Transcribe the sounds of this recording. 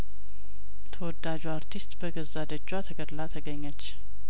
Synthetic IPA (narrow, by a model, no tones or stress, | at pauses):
t̪ʰəwɔd̪ad͡ʒuaɾt̪ʰist̪bəɡəzad̪əd͡ʒːwat̪ʰəɡəd̪lat̪ʰəɡəɲːat͡ʃː